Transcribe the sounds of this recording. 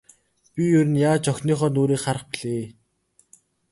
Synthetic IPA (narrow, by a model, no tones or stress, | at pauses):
pʲijɵɾɘ̆njaːt͡ɕɔxʲniːχɔːnoːɾiːkχaɾə̆χpiɮeː